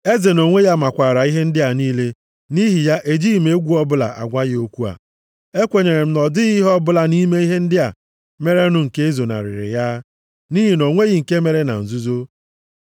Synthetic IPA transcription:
e˦ze˨no˨ŋʷe˦ja˦ma˨kʷa˨ɾa˨i˦ɦe˦n̩˦dɪ˦a˨niː˦le˦ | ni˦ɦi˨ja˦ʔe˨d͡ʒi˦i˦me˦ɡʷu˦ɔ˦bʊ˦la̰˨ʔa̰˨ɡʷa˦ɣɪ˦o˦kʷu˦a̰˨ | e˦kʷe˨ɲe˨ɾe˨m̩˦nɔ˨dɪ˦ɣi˦ɦɔ˦bʊ˦la˨ni˦me˦i˦ɦe˦n̩˦dɪ˦a̰˨ | me˦ɾe˦nʊ˦ŋ̩˨ke˦e˦zo˨na̰˨ɾɪ̰˨ɾɪ̰˨ja˦ | ni˦ɦi˨no˨ŋʷe˦ɣɪ˦ŋ̩˨ke˦me˦ɾe˦na̰˨n̩˨zu˦zo˦

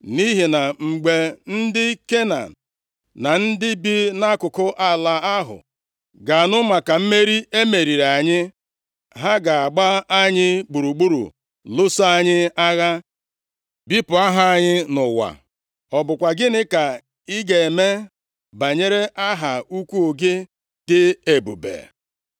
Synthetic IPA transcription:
ni˦ɦe˨na˨ŋ͡m̩˨ɡ͡be˨n̩˦dɪ˦ke˦na̰˨n̩˨ | na˨n̩˦dɪ˦bi˦na˦kʊ˨kʊ˦ʔa˦la˨a˦ɦʊ̰˨ | ɡa˨nʊ˦ma˨ka˨m̩˦me˦ɾi˦e˦me˨ɾi˨ɾa˨ɲɪ˦ | ɦa˦ɡa˨a˨ɡ͡ba˦a˦ɲɪ˦ɡ͡bu˨ɾu˨ɡ͡bu˦ɾṵ˨ | lʊ˦sa˦ɲɪ˦a˦ɣa˦ | bi˦pʊ˨a˦ɦa˦˨ɲɪ˦nʊ˨wa̰˨ | ɔ˨bʊ˨kʷa˨ɡɪ˦nɪ˦ka˨ | i˦ɡe˨e˨me˦ | ba˨ɲe˦ɾe˦ʔa˦ɦa˨u˦kʷu˦o˨ɡe˦ | dɪ˦e˨bṵ˨bḛ˨

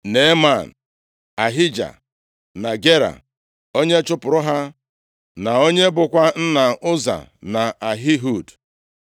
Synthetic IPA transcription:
ne˦ma˦˨n̩˨ | a˨ɦi˦d͡ʒa̰˨ | na˨ɡe˦ɾa̰˨ | o˦ɲe˦t͡ʃʊ˦pʊ˨ɾʊ˦ɦa˦ | na˨o˦ɲe˦bʊ˨kʷa˦n̩˦na˨ʊ˦za̰˨na˨a˨ɦi˦ɦu˦˨d

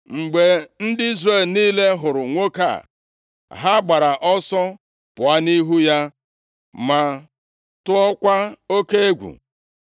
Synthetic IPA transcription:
ŋ͡m̩˨ɡ͡be˨n̩˦dɪ˦i˦zre˨lniː˦le˦ɦʊ˨ɾʊ˨ŋʷo˦ka̰˦˨ | ɦa˦ɡ͡ba˨ɾa˨ʔɔ˦sɔ˦ | pʊ˨a˦ni˦ɦu˦ja˦ | ma˨ | tʊ˦ɔ˦kʷa˦o˦ke˦e˦ɡʷṵ˨

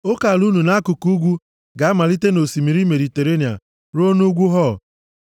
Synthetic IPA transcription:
o˦ka˨lu˦nu˨na˦kʊ˨ku˦ɡʷu˦ | ɡa˨a˦ma˨li˦te˦no˨si˨mi˨ɾi˦me˨di˨te˨ɾe˦ni˨a̰˨ | ɾo˦nu˦ɡʷu˦ɦɔ˦˨

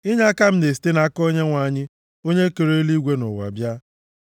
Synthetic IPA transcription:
ɪ˦ɲa˦ka˦m̩˦ne˨s̬i̥˨te˦na˨˦kɔ˦ɲe˦ŋʷa˨˦˨ɲɪ˦ | o˦ɲe˦ke˨ɾe˦li˦ɡʷe˦nʊ̰˨wa̰˨bja˦

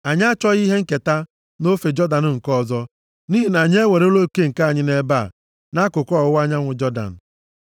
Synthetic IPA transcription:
a˨ɲa˦a˦t͡ʃɔ˦ɣi˦ɦe˦ŋ̩˦ke˨ta˦ | no˦fe˨d͡ʒɔ˦da˨n̩˨ŋ̩˨kɔ˦˨zɔ˦ | ni˦ɦi˨na˨ɲ˦e˦ŋʷe˨ɾo˦lo˦ke˦ŋ̩˨ka˦a˨ɲɪ˦ne˦ba˦˨ | na˦kʊ˨kɔ˦˨ʊ˦a˦ɲa˦ŋʷʊ˨d͡ʒɔ˦da̰˨n̩˨

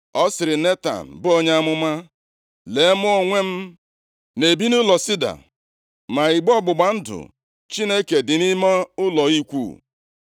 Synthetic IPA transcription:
ɔ˦sɪ˨ɾɪ˨ne˦ta̰˨n̩˨bʊ˦o˦ɲ˦a˦mʊ˦ma˦ | le˨˦mʊ˦o˦˨ŋʷe˦m̩˦ | ne˨bi˦nʊ˦lɔ˨si˦da̰˨ | ma˨i˨ɡ͡bɔ˦ɡ͡bʊ˨ɡ͡ba˨n̩˦dʊ̰˨ | t͡ʃi˦ne˦ke˨dɪ˨ni˦mɔ˦ʊ˦lɔ˨i˦kʷṵː˦˨

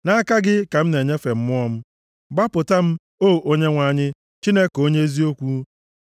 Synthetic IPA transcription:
na˦ka˦ɡɪ˦ka˨m̩˦ne˨ɲe˦fe˨m̩˦mʊ˦ɔ˦m̩˦ | ɡ͡ba˦pʊ˨ta˦m̩˦ | oː˦˨ʔo˦ɲe˦ŋʷa˨ɲɪ˦ | t͡ʃi˦ne˦ko˦ɲe˦e˦zi˦o˦kʷu˦

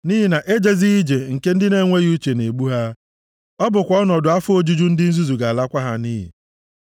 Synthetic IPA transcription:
ni˦ɦi˨na˨ʔe˦d͡ʒe˦zi˦i˦d͡ʒe˨ŋ̩˨ke˦n̩˦dɪ˦ne˦ŋʷe˦ɣi˦u˦t͡ʃe˨ne˨ɡ͡bu˦ɦa˦ | ɔ˦bʊ˨kʷɔ˨ɔ˦nɔ˨dʊ˨a˦fʊ˦o˦d͡ʒu˦d͡ʒu˦n̩˦dɪ˦n̩˦zu˦zu˨ɡa˨la˦kʷa˦ɦa˦niː˦ɦḭ˨

